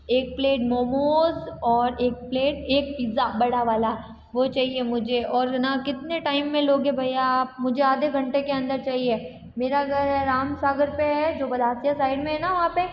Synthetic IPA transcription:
eːk̚pleːʈmoːmoːzɔːɾeːk̚pleːʈ̚eːk̚piːzabɐɽaʋaːla | ʋot͡ʃaːɦiemʊd͡ʒʱeɔːɾnakɪt̪neʈaːɪmːẽloːɡɦɛbʱɐjaaːp̚mʊd͡ʒʱeaːd̪eɡʱɐ̃ɳʈekeɐ̃nd̪əɾt͡ʃaːɦie | meːɾaɡəɾɦɛɾaːmsaːɡəɾpeɦɛd͡ʒoːbɐd̪ʱaːsijasaːɪɖmẽɦɛnaʋɐɦãpe

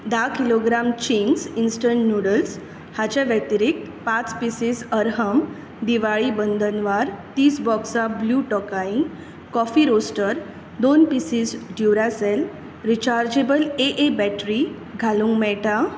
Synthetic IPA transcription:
d̪akiloɡɾamt͡ɕiŋɡsinsʈəɳʈnjuɽəls | hat͡ɕaʋɛt̪iɾik̪̚ | pat͡spisisəɾɦəm | d̪iʋaɭibənd̪ʱənʋaɾt̪iːsbɔksabluʈɔkaiŋɡ | kɔfiɾosʈəɾ | d̪onpisisɖjuɾasel | ɾit͡ɕaɾd͡ʑebəleʔebɛʈɾi | ɡʱalũŋɡmɛʈa

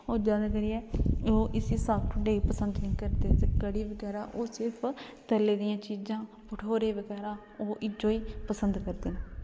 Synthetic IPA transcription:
oːd͡ʒãːd̪kəɾiɛːoːʔɪsiːsaːkʈʰʊɖeːiːpəsənd̪nĩːkəɾd̪eːseːkəɽiːʋəɡɛːɾaːʔoːsɪɾpʰt̪əleːd̪ijãːt͡ʃiːd͡ʒãː | pəʈʰoːɾeːʋəɡɛːɾãː | oːʔɪd͡ʒoːiːpəsənd̪kəɾd̪eːnː

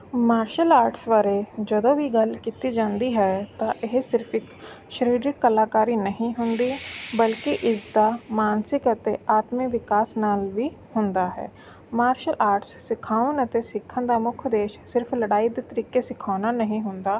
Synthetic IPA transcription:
maːɾʃəlaːɾʈsʋaːɾeːd͡ʒəd̪õːʋiːɡəlkiːt̪iːd͡ʒãːnd̪iːɦɛːt̪ãːʔɪɦsɪɾpʰɪk | ʃəɾiːɾɪkːəlaːkaːɾiːnəɦĩːɦʊnd̪iːbəlkiʔɪsd̪aːmaːnsɪkət̪eːaːt̪mɪkʋɪkaːsnaːlʋiː | hʊnd̪aːɦɛ̰ː | maːɾʃəlʔaːɾʈsːɪkʰaːʋənət̪eːsɪkʰːənd̪aːmʊkʰd̪eːʃsɪɾpʰləɽaːiːd̪eːt̪əɾiːkeːsɪkʰaːnaːnəɦĩːɦʊnd̪aː

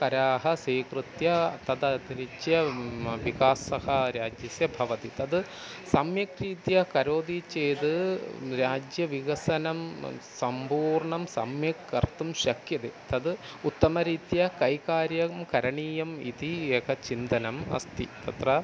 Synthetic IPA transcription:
kɐɾaːɦɐseːkrɨt̪jɐt̪ɐd̪ɐd̪ɾit͡ɕːjɐʋikaːsɐhɐɾaːd͡ʑjɐsjɐbʱɐʋɐt̪it̪ɐd̪ɨ | sɐmjɐkɾiːt̪jɐkɐɾoːd̪it͡ɕejt̪ɨɾaːd͡ʑjɐʋiɣɐsɐnɐmsɐmbuːɾɳɐmsɐ̰mjɐkːɐrt̪umɕɐkjɐd̪et̪ɐd̪ɨ | ut̪ːɐmɐɾiːt̪jɐkɐjkaːɾjɐmkɐɾɐɳiːjɐmḭd̪ieːkʰɐt͡ɕind̪ɐnɐmɐ̰st̪ḭt̪ɐt̪rɐ

